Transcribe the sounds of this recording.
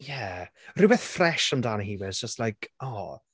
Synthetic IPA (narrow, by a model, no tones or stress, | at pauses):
jærubɛθfrɛʃəmdaːnhiːwɪz̥d͡ʒəstlajkʰɔ